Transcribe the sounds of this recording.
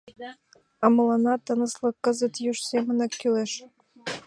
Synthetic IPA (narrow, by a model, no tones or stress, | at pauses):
ɑmə̆lɑnɑt̪ənə̆slɤ̆kːəzə̆t̪jyʃsemə̆nɑkːyleʃ